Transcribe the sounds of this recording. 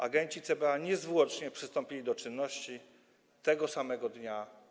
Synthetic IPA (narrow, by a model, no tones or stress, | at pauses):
aɡɛɲt͡ɕit̪sɛbɛaɲɛzvwɔt͡ʂɲɛpʂɘst̪ɔmpʲilʲid̪ɔt͡ʂɘnːɔɕt͡ɕi | t̪ɛɡɔsamɛɡɔd̪ɲa